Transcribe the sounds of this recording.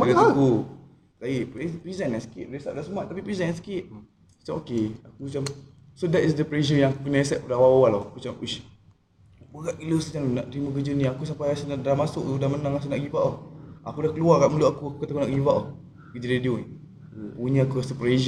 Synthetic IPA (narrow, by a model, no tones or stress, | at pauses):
alku | taipepɾizɛnansə̥kiʔɾesap̚daʔsəmuaʔt̪apipɾizɛnɛnsə̥kiʔ̚ | ḁt͡ʃamokeakut͡ʃam | sodɛtisdəpleʃ̬əjãŋakuk̬ənaesɛt̚padawawalɔhkut͡ʃamuʃ | bəkaʔiləsat͡ʃanunaʔt̪əɾimək̬əd͡ʒənĩakus̬ampajasənadamasʊʔudamənãŋas̬ənaʔɡivaʔɔhakudahkəluakaʔməluʔakuakukat̪akunaʔɡivaʔɔh | kəd͡ʒəɾedioni | puɲəakukasəpɾeʒ